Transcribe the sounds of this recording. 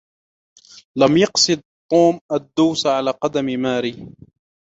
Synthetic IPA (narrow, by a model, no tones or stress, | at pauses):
lamjɑqsˤɨd̪̚t̪ˤːuːmʔad̪ːuːsʕalaːqɑd̪ammaːɾiː